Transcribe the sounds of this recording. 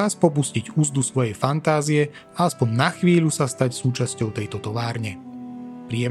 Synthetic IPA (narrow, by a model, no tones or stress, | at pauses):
aspɔp̬usciɟuzd̪usʋɔjɛjfant̪aːziɛ | aaspɔɲnaxʋiːʎusast̪acsuːt͡ʃascɔʊt̪ɛjt̪ɔt̪ɔʋaːɾɲɛpɾɪɛ